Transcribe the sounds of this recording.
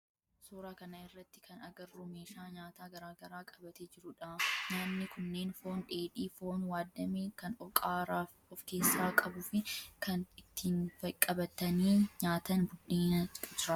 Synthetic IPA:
suːɾaːkɐnɐɪrːɐt̪ːɪ̥kʰɐnɐɡɐrːʊme̞ːʃaːɲaːt̪aːɡɐɾaːɡɐɾaːkʼɐ̥bɐt̪eːd͡ʒɪɾʊᶑɐɲaːnːɪkʊnːe̞ːnfoːnᶑe̞ːᶑiːfoːnwaːd̪ːɐmeːkɐnɔkʼaːɾaːf | ɔfke̞ːsːaːkʼɐbʊfɪkʰɐnɪt̪ːiːnfɐkʼɐbɐt̪ːɐniːɲaːt̪ɐnbʊᶑeːnɐkʼɐd͡ʒɪɾɐ

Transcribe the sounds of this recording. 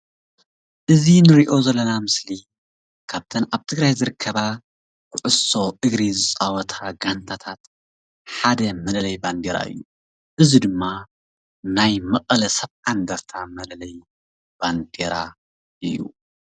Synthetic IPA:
ʔɨzinɨɾiʔo̞zɐlːɐnamɨsli | kʰaβt̪ʰɐnaβt̪ʰɨɡɾajzɨɾɨkʰːɐβa | kʰɨʕʊso̞ʔɨɡɾizɨt͡sʼawɔt̪ʰaɡant̪ʰat̪ʰat̪ | ħad̪ɐmɐlɐlɐjband̪eɾa̰ɨ̰jːu | ʔɨzid̪ɨmːa | najmɐqʼɐlɐsɐβand̪aɾt̪ʰamɐlɐlɐj | b̥and̪eɾa̰ | ʔɨjːṵ

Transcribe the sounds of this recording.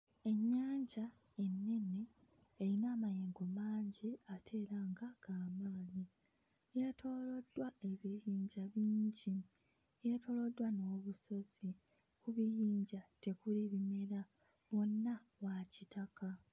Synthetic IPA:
e̞ɲːaːɲɟa | e̞nːe̞ne | eɾinaːmajeːŋɡo̞maːɲɟiatʰe̞ːɾaŋɡaɡ̥aːmaːli | jatʰo̞ːlo̞dwae̞βijiːɲɟaβiːɲɟi | jetʰo̞ːlo̞dːwano̞ːβuso̞z̥i | kuβijiːɲɟate̞kuliβime̞ɾa | βwo̞nːawacitaka

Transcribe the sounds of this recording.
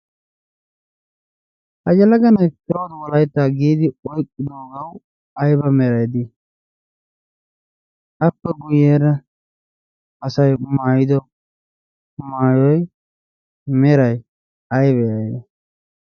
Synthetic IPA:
ʔɐd͡ʒɐlɐɡɐnɐjpɪoːd̪wɔlɐjt̪ːaːɡiːd̪ɪɔjkʼːɪd̪oːɡɐw | ɐjbɐmɛɾɐjd̪ɪ | ɐpːɛɡʊjeːɾɐ | ɐsɐjmaːjɪd̪ɔ | maːjɔj | mɛɾɐj | ɐjbɛjɐjd̪ɐ

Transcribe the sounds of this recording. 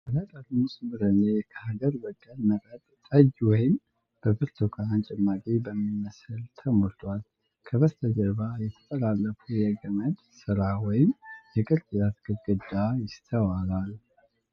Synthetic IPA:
əlat̪ʼalmusmɨɾɨnekʰəhaɡəɾbəkʼːəlməɾʼət̪ʼt̪ʼəd͡ʒwɔjɪm | b̥əbɨɾt̪ʰokʰaːnt͡ʃʼɛmːakʼibəmːimːəsɨlt̪ʰəmoɾt̪ʰwal | kʰəβəst̪ʰəd͡ʒəɾβajɛt̪ʰə̥t̪ʰʼəlalːəfujɛɡəməd̪ | sɨɾawɔjɪmjɛkʼɨɾt͡ʃʼjat̪ɡɨɡɨd̪ajɪst̪ʰəwalal

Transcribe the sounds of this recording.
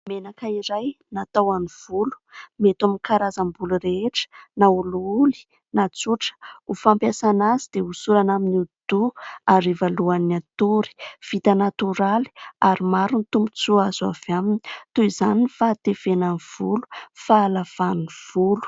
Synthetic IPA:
menakaiɾajnat̪awaniv̥ulu̥met̪aminkaɾazambuluɾeeʈ͡ʂə̥nauluuli̥ | nat͡suʈ͡ʂə̥ufampjasanazid̪̥eusuɾanaminiud̪̥uaɾivaluanat̪uɾi̥v̥it̪anat̪uɾali̥aɾimaɾunit̪umpu̥t͡suazavamini̥t̪uizanifat̪efenaniv̥ulu̥faːlav̥aniv̥ulu̥

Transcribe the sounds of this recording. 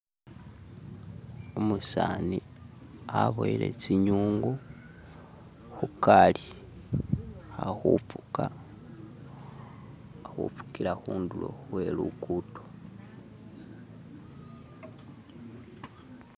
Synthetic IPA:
omusani | aβojilḛt͡siɲuːŋɡo | xukali | xaxuu̥ka | xufu̥kiɾaxuːndulo̰xwe̞lukuto̥

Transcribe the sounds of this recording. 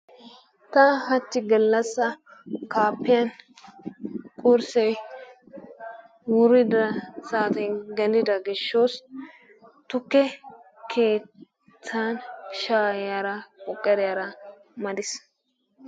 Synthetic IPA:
t̪ɐhɐt̪ːɪɡɐlːɐsːɐ | kaːpːɪjɐn | kʼʊɾsɛ | wʊɾɪd̪ɐsaːt̪ɛnɡɛnɪd̪ɐɡɪʃːoːs | t̪ʊkːɛ | kʰe̞ː | t͡sːaːnʃaːjjaːɾɐkʼɔkʼːɛɾɪjaɾɐmɐd̪ɪs

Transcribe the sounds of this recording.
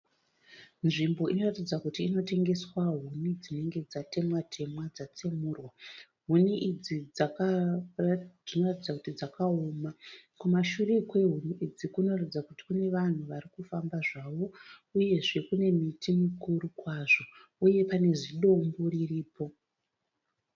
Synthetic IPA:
nʐimbo̞ʔino̞ratid͡zakutiːno̞te̞ŋɡe̞swaɦunid͡zine̞ŋɡe̞d͡zate̞mwatʰe̞mwad͡zat͡semuːrwa | ɦuniʔid͡zid͡zaka | d͡zino̞ratid͡zakutid͡zakaomakumaʃure̞kwe̞ɦuniid͡zikuno̞ratid͡zakuti̥kune̞ʋan̤uʋaɾikufambaʐaʋo̞uje̞ʐe̞kune̞mitimikuɾukwaʐo̞uje̞pane̞ʐiɗo̞mboririːpo̞

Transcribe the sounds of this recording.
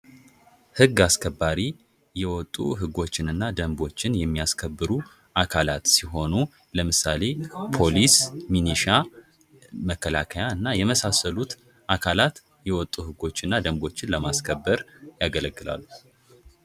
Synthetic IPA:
hɨɡːaskʰəbːaɾi | jɛwɔt̪ʼːuɦɨɡo̞t͡ʃːɪnɨnːad̪əmbo̞t͡ʃːɪnjɛmːijaskʰəbːɨɾu | ʔakʰalat̪siɦo̞nu | ləmɨsale̞pʰo̞lisminiʃa | məkːəla̰kʰəjaɨnːajɛməsasəlut̪ | ʔakʰalat̪ | jɛwɔt̪ʼːuhɨɡo̞t͡ʃːɨnːad̪əmbo̞t͡ʃːɪnləmaskʰəbːəɾjaɡələɡːɨla̰lːu

